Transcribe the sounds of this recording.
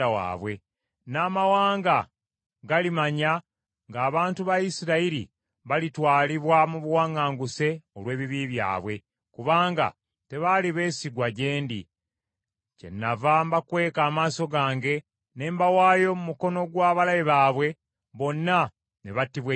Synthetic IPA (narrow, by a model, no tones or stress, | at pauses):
awa̰ːβwe̞ | naːmawaːŋɡa | ɡalimaɲa | ŋɡaːβaːntuβajisiɾaiɾḭ | βalitwaːliβwamuβuwaːŋɡaːŋɡuse̞olwe̞ːβiβiβja̰ːβwe̞ | kuβaːŋɡa̰ | te̞βaliβe̞ːsiɡwaɟe̞ːndḭ | ce̞̰nːavambakwe̞ːkaːmaːso̞ɡaːŋɡe̞ | ne̞ːmbawaːjo̞mumuko̞no̞ɡwaːβalajeβaːβwe̞ | βo̞nːa | ne̞βatːiβwe